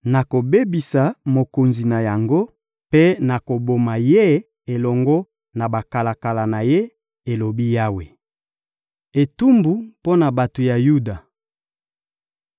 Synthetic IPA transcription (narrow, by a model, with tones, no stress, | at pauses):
na˨ko˨be˦bi˨sa˨mo˨ko˨nzi˨na˨ja˨ŋɡo˦ | pe˦na˨ko˨bo˨ma˨je˦ | e˨lɔ˨ŋɡɔ˦ | na˨ba˨ka˨la˨ka˨la˨na˨je˦ | e˨lo˨bi˦ja˦we˨ | e˨tu˦mbu˨po˦na˨ba˨to˨ja˨ju˦da˨